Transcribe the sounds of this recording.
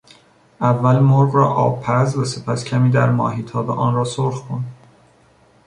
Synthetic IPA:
ʔævːælmoɾɢɾɒːʔɒːbpʰːæɾzvæse̞pʰæscʰæmiːd̪æɾmɒ̰ːɦiːt̪ʰɒːbḛʔɒːnɾɒːsoɾχkʰond̪

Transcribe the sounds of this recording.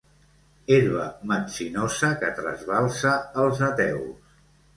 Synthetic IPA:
eɾβəməsinosəkət̪ɾə̰zβalˠsəːlˠzət̪ɛws

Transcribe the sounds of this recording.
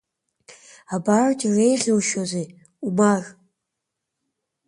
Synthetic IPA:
abartʼirejʁʲowʃozej | umar

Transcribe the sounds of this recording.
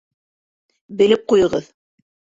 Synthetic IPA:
bɘ̆lɘp̚qujɤ̆ʁɤð

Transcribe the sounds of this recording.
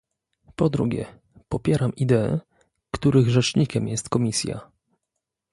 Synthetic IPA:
pɔd̪ɾuɡʲɛ̰ | pɔpʲjɛɾamid̪ɛɛ̰ | kt̪uɾɘɣʐɛt͡ʂɲikʲɛmjɛst̪kɔmʲisʲja̰

